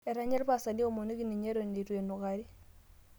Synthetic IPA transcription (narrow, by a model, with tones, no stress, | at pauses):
e˨ɾa˦ɲɛ˦lpa˨sa˨ni˦o˦˨mo˨ni˦ki˦˨ni˨ɲe˦ɾo˨ne˨twe˨nu˨ka˨ɾi˦